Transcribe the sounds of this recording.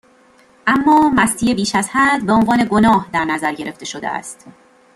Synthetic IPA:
ʔæmːɒːmæst̪ʰiːe̞biːʃæzhæd̪beo̞nvɒːne̞ɡo̞nɒːhd̪æɾnæzæɾɟe̞ɾe̞ft̪e̞ʃod̪ḛæ̰st̪

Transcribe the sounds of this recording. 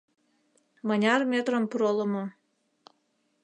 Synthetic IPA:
mənʲɑrmʲet̪rəmpuɾoləmo

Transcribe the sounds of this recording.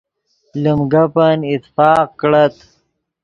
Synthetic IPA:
lumɡapanɪt̪fɑːqkɽat̪

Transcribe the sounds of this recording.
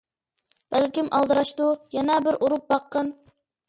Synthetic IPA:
b̥ælkʲimʔɑlˠd̪ɨɾɑʃt̪ujɛnɛbɪɾʔuɾup̚bɑqːən

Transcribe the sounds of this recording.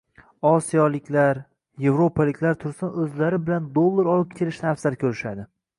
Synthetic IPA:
ɒsijɒlɪkʲʰlaɾ | je̞vɾo̞pʰalɪkʲʰlaɾt̪ʰʊɾsanɵzlaɾɪbɪland̪olˠːaɾɒlˠɨp̚kʲʰeɾɪʃt̪aafzalkʲʰɵɾɪʃad̪ɪ

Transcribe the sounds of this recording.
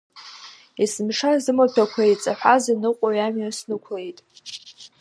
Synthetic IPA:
isɨmʂazɨmapʰakʷʰejt͡sʼaħʷazinɨqʷʼaɥamɥasnɨkʷʰle̞jtʼ

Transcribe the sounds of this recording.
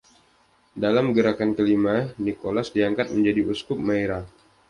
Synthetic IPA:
dalamɡəɾakankəlimanikolasdiaŋkat̪̚məɲd͡ʒadiuskʊp̚maeɾa

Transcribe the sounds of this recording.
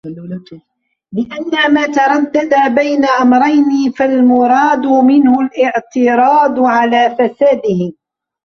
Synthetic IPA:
lɪʔanːamaːt̪ɑɾˤɑdd̪ad̪abajnaʔamɾˤɑjnifalmʊɾˤɑːd̪ʊmɪnhʊlʔɪʕt̪ɪɾˤɑːd̪ʕalaːfasaːd̪ɪhɪ

